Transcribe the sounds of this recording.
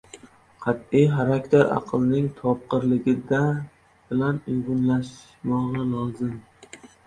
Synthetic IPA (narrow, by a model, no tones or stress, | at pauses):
qʰɑt̪ijχaɾakʲt̪ʰeɾɑ̰qʰɨlˠnɪŋt̪ʰɒp̚qɨɾlɪɡʲɪd̪a | b̥ɪlanʊɡʊnlaʃ | mɒʁɨlˠɒzɪm